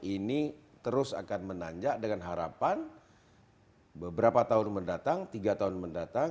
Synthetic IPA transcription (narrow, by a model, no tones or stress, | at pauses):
ini | t̪əɾʊsa̰kanmənaɲd͡ʒaʔdəŋanɦaɾa̰pan | bəbəɾapat̪aɦʊnməndat̪aŋt̪iɡat̪aʊnməndat̪a